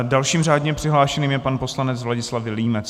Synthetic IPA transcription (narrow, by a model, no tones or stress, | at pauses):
dalʃiːmraːdɲɛmpr̝̥ɪɦlaːʃɛniːmjɛpanpo̞slanɛt͡svlaɟɪslavɪliːmɛt͡s